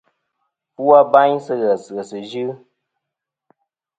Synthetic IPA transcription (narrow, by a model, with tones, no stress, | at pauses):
pu˦a˦ba˦ɲsɨ˦ɣə˨sɨ˨ə˨sɨ˨ʒɨ˦